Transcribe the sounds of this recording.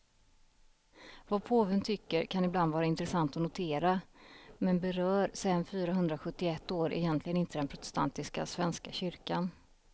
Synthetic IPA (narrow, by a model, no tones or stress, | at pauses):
vapʰoːvənt̪ʰʏkːəɾkʰanɪbland̪vɑːɾaɪnt̪ɾɛsant̪ɔnʊt̪ʰeːɾamɛnbɛɾœːɾsɛanfyːɾaɦɵnd̪ɾaɧɵt̪ːɪɛt̪ːoːɾʔɛ̰jɛnt̪ʰlɪɡənɪnt̪əd̪ɛnpʰɾʊt̪ɛ̥st̪ʰant̪ɪska̰svɛnskaɕʏɾkan